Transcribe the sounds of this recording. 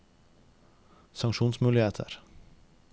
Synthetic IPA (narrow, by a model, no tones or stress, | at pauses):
sɑŋʃuːnsmʉːlɪheːt̪ʰə̰ɾ